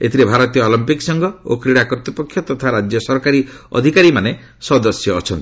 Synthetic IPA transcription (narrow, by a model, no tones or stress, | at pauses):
et̪ʰiɾebʱaɾɔt̪ijɔːlɔmpiksɔŋɡɔo̰kɾiɽakɔɾt̪ipɔkʰjɔt̪ɔt̪ʰaɾad͡ʒjɔsɔɾkaɾiɔ̰d̪ʱikaɾimane | sɔd̪ɔsjɔːt͡ʃʰɔnt̪i̥